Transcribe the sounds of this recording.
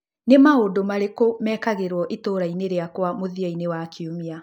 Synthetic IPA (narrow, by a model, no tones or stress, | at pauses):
nemaodomaɾekomɛkaɣeɾwɔʔetoɾaineɾeakwamoðiainewakʰiomia